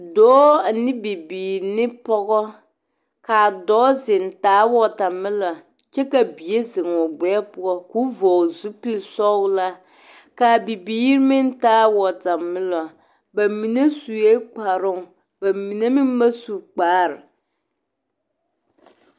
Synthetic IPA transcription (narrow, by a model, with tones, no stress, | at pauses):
dɔː˨˦a˨nɪ˦bi˨biː˨ɾnɪ˦pɔ˦ɡɔ˦ | kaː˨dɔː˦zɪ˨n˨taː˦wɔ˦ta˨mɪ˦la˨ | t͡ʃɛ˦ka˨bi˨e˦zɪ˨ŋ˨ɔ˨ɡ͡bɛ˨˦pʊ˦ɔ˦ku˦vɔː˨zu˦pɪ˦lsɔ˦wla˦ | kaː˨bi˨biː˦ɾmɪ˦n˦taː˦wɔ˨ta˨mɪ˦lɔ˨ | ba˨mi˨na˦su˨e˦k͡pa˨ɾʊ˦ŋ˨ | b̥a˨mi˨na˦mɪ˦m˦ma˦su˨k͡paː˨˦ɾɪ˨